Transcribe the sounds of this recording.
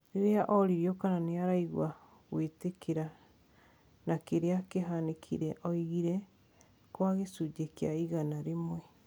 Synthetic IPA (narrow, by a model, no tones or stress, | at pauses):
ɾeɾeaʔɔɾiɾjɔkananeaɾaiɣwa | ɣwetekeɾa | nakeɾeakeɦanekʰḭɾɛʔɔiɣiɾɛ | kwaɣesud͡ʒekja̰iɣanaɾemwɛ